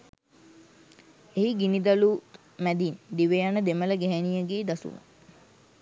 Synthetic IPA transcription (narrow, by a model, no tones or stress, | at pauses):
eɦiɡinid̪alu | mæd̪ind̪iʋejanəd̪emələɡæɦænijəɡeːd̪asṵnə̰